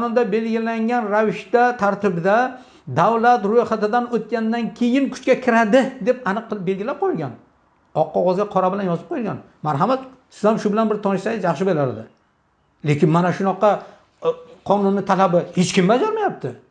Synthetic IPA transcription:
qnʊnd̪abe̞lɡʲɪlaŋɡʲanɾavɪʃt̪at̪ʰaɾt̪ɪbɪd̪a | d̪awlat̪ɾojχat̪ɪd̪anot̪̚kʲand̪ankʲʰe̞jɪnkʰʊ̥t͡ʃkʲakʲʰɪɾad̪ɪd̪e̞panɨqːɨlˠɪp̚be̞lɡʲɪlap̚qʰojɪlɡʲan | ɒqːɒʁɒzɡʲaqʰɒɾabɪlanjɒzɪp̚qʰojɪlɡʲan | maɾɦamat̪sɪzhamʃʊbɪlanbɪɾt̪ʰɒnɪʃsajɪzjɑχʃɪbeɾaɾɪd̪ɪ | le̞kʲɪnmanaʃʊnɒqɑ | qʰɒnʊnːɪt̪ʰalabɪhet͡ʃkʲɪmbad͡ʒaɾmajap̚t̪ʰɪ

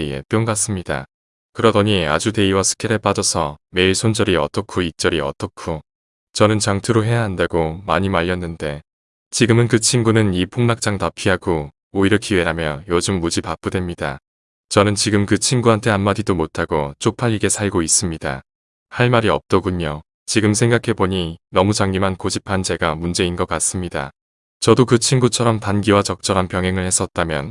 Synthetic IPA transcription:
iḛp͈joŋɡas͈ɯmɲida̰ | kɯɾʌdʌɲia̰d͡ʑute̞iwasʰɯ̥kʰeɾɯɭp͈ad͡ʑʌsʰʌme̞iɭsʰond͡ʑʌɾiʌt͈ʌkʰoit͡ɕ͈ʌɾiʌ̰t͈ʌkʰo | t͡ɕʌnɯnt͡ɕaŋtʰɯɾoɦe̞jaɦandaɡomaɲimaʎːʌnːɯnde̞ | t͡ɕiɡɯmɯnkɯt͡ɕʰimɡunɯnipʰoŋmak̚t͡ɕ͈aŋtapʰiɦaɡo | oiɾʌkiwe̞ɾamjʌjod͡ʑɯmːud͡ʑipap͈udwe̞mɲida̰ | t͡ɕʌnɯnt͡ɕiɡɯmkɯt͡ɕʰinɡuɦantʰe̞anmadidomotʰaɡot͡ɕ͈ʰok̚pʰaʎːiɡe̞sʰaɭɡois͈ɯmɲida̰ | haɭmaɾiʌp̚t͈ʌɡuɲo | t͡ɕiɡɯms̬ʰe̞ŋɡakʰe̞boɲinʌmut͡ɕaŋɲimɦankod͡ʑipʰand͡ʑe̞ɡamund͡ʑe̞inɡʌk͈as͈ɯmɲida̰ | t͡ɕʌdokɯt͡ɕʰinɡut͡ɕʰʌɾʌmtanɡiwat͡ɕʌk̚t͡ɕ͈ʌɾɦanpjʌŋɦe̞ŋɯɭhe̞s͈ʌt̚t͈amjʌ̰n

